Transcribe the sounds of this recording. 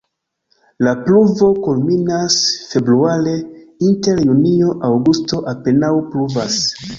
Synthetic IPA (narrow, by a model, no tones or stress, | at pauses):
lapluvo̞kulminasfe̞bɾuale̞inte̞ɾjunio̞ʔawɡusto̞ʔape̞nawpluvas